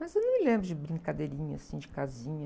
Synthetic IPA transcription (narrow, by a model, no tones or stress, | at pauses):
mɐzewnɐ̃w̃mɪlẽmbɾʊd͡ʒɪbɾĩŋkad̪eɾĩɲɐsĩd͡ʒɪkazĩɲɐ